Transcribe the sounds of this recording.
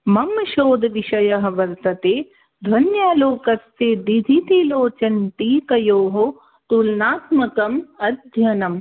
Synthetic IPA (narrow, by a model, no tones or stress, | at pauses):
mɐmʃoːd̪ʱɐʋiʃɐjɐɦɐ̆ʋɐɾt̪ɐt̪eː | d̪ʱʋɐnjaːloːkɐst̪eːd̪id̪ʱit̪iloːt͡ʃɐnt̪iːk̪ɐjoːɦo | t̪ulnaːt̪mɐkɐmɐd̪ʱjɐnɐm